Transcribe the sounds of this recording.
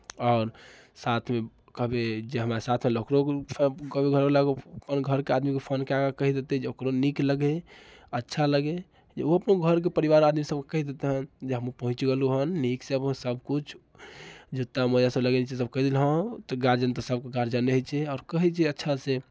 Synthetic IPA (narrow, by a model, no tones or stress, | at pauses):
ɔʊɾ | sat̪ʰme | kəɦbed͡ʒeɦəmɾasat̪ʰmelokɾokʰkəɦbeɡʱəɾbelaɡoəpənɡʱəɾkead̪mikepʰənkeaɡakəɦid̪et̪ed͡ʒeokɾonikləɡeətːʃʰaləɡe | d͡ʒeoəpnoɡʱəɾk̬epəɾiʋaɾad̪misəb̚ke̥kəɦid̪et̪eɦənd͡ʒeɦəmupəɦt͡ʃɡeluɦənːiksəbsəbʱkut͡ʃʰ | d͡ʒʱut̪ːaməjasəbləɡenit͡ʃesəb̚kəɦd̪ilɦət̪ɔɡaɾd͡ʒənt̪ɔsəb̚keɡaɾd͡ʒənːeɦt͡ʃʰɛaːɾkəɦɛt͡ʃʰɛətːʃʰase